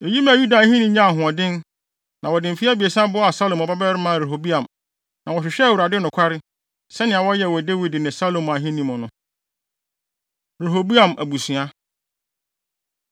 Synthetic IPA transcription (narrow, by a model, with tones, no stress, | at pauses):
e˨ji˦mã˨ju˦da˨˦ɦĩ˦nĩ˦ɲã˦a˨ɦʊ̃˨ɔ˨dɪ̃˦n | nʔã˨wɔ˨dɪ̃˨m˨fi˦a˦bi˨e˨sã˦bʊ˦a˨sa˦lo˨mɔ˨ba˦bɛ˦ɾɪ˦mã˦˨ɾe˨ɦo˨bi˦ã˨m | nã˨wɔ˨ɕᶣɪ˨ɕᶣɛ˦˨wu˨ɾa˨dɪ˦nʊ̃˨kʷʰa˦ɾɪ˦ | sɛ˦nɪ̃˨a˨wɔ˦jɛ˦˨wɔ˨de˦wi˦dɪ˨nɪ̃˨sa˦lo˨m˨a˨ɦɪ̃˦nĩ˦mʊ̃˨nʊ̃˦ | ɾe˨ɦo˨bi˦ã˨mæ˨bu˨sũ˨a˦